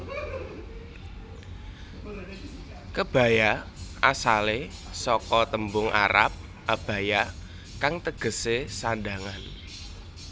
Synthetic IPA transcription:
kəb̥a̤jaʔasalesɔkɔt̪əmbʊŋʔa̰ɾa̰p̚ | ʔab̥a̤ja | kaŋt̪əɡ̥ə̤sesanda̤ŋan

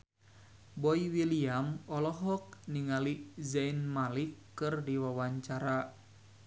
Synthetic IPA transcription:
bɔiwiliamɔlɔɦɔk̚niŋalizainmalikːɨrdiwawaɲt͡ʃaɾa

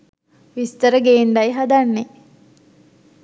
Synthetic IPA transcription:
ʋist̪əɾəɡeːɳɖajɦad̪anːe

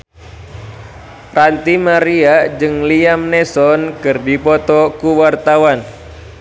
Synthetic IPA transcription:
rant̪imaɾiad͡ʒɨŋliamnɛsɔnkɨrdipɔt̪ɔkuwart̪awan

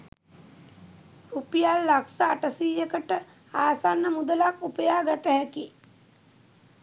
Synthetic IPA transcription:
ɾupijalːaksaːʈəsiːjəkəʈə | aːsanːəmud̪əlakupəjaːɡat̪əɦæki

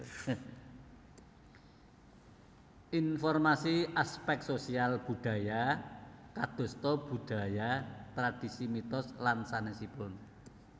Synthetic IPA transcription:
ʔinfɔrmasiʔaspɛk̚t̪sosialb̥ṳɖ̥a̤ja | kad̪̥o̤st̪ɔb̥uɖ̥a̤jat̪ɾad̪̥i̤simit̪ɔslansanesipʊn

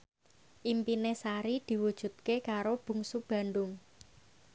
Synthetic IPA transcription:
ʔimpinesaɾid̪̥i̤wud̥ʒ̥ṳt̪̚kekaɾob̥ṳŋsub̥ä̤nɖʊŋ

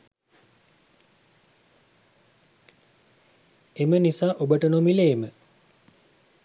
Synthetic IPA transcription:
emənisaːʔobəʈənomileːmə

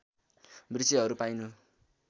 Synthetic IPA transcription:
brit͡siɦʌɾupajnu

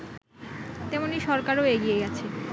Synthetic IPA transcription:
t̪ɛmoniʃɔɾkaɾoeɡijeɡɛt͡ɕʰe

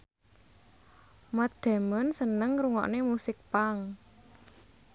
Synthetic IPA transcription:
mad̪̥ɛ̤mənsənəŋɾuŋɔ̰ʔnemusɪk̚paŋ

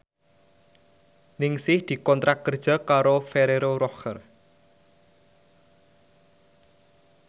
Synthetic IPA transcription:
nɪŋsɪhd̪̥i̤kɔnt̪ɾakːərd̥ʒ̥a̤kaɾofeɾeɾoɾɔxər

